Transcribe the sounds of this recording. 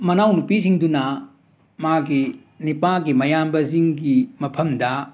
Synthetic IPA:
mɐnawnupisiŋdunɐ | maɡi | nipaɡimɐjambɐziŋɡimɐpʰɐmdɐ

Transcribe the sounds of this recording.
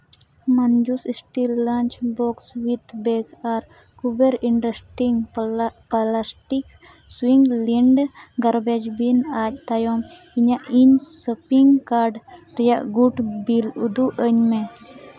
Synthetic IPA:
mand͡ʒusisʈilːãnt͡ʃbɔkswit̪beɡaɾ | kubeɾiɳʈɾesʈiŋplasʈik | swiŋɡliɳɖɡaɾbɛd͡ʒbinac̚t̪ajɔm | iɲaʔiɲsəpiŋɡkaɾɖ | ɾijaʔɡuʈbilud̪uʔəɲmɛ

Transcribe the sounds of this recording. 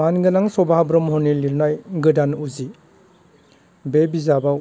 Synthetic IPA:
anɡɯnaŋsɔbabɾɔmɦɔniliɾnajɡɯdanuzi | bebizaba

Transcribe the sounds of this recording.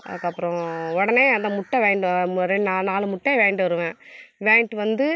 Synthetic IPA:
ɐ̰ðɯkːɐpːɯɾɔ̃ɔɽɐneːɐnd̪ɐmʊʈːɐ̃ʋeːɳɖɯɾɛɖnaːnaːlɯmʊʈːeːʋeːɳɖɯʋɐɾɯʋẽːʋeːɳʈɯʋɐnd̪ɯ

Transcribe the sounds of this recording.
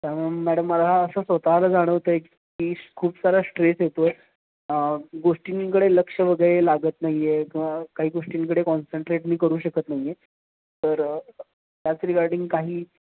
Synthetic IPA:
t̪amamæɽəmːəlaaəsəːsʋət̪aɦlad͡zaɽ̃əʋt̪əe | kiːkʰuːpsaɾasʈɾesɦjet̪o | əɡoʂʈiniŋkəɽeləkʂəʋəɡəɾelaɡət̪naɦiekĩʋakaɦiːɡoʂʈiŋk̬əɽekɔnsəɳʈɾeʈmiːkəɾuːɕəkət̪naɦije | t̪əɾ | t̪jat͡sɾiɡaɾɖiŋɡkaɦiː

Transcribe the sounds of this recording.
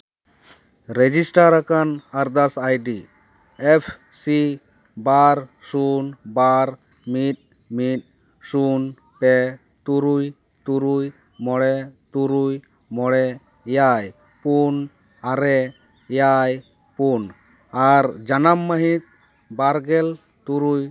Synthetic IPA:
ɾed͡ʒisʈaɾakanaɾd̪asajɖi | epʰsi | baɾsunbaɾ | mit̪̚ | mit̪̚ | sun | pɛ | t̪uɾuj | t̪uɾuj | mɔɽɛt̪uɾuj | mɔɽɛ | jaj | pun | aɾɛ | jaj | pun | aɾd͡ʒanamːəɦit̪̚ | baɾɡel | t̪uɾuj

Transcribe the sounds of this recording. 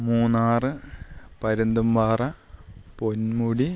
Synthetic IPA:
muːnːaːrɨpɐɾund̪umʋaːrɐponmuɽi

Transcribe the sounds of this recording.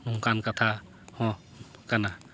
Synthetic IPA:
mũkankat̪ʰa | hɔ̃ | kana

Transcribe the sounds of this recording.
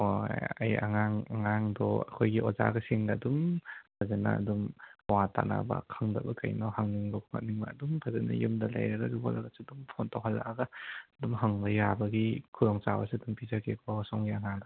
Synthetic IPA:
oja̰ja̰ŋaŋaŋaŋdɔɐkʰojɡiʔɔza̰ɡɐsiŋɡadumpʰazena̰ːdumwata̰na̰ba̰kʰaŋda̰bɐkajnɔhaŋniŋbɐkʰuŋa̰t̚niŋbaːdumpʰazena̰jumdɐla̰jɾɐɡazubɔ̰laɡasidumpʰontawɦala̰ʔaɡadumɦaŋbɐjabɐɡikʰuɾɔŋt͡ʃawasiɐdumpizakʰekʰɔsɔŋɡiaŋaŋdɔ

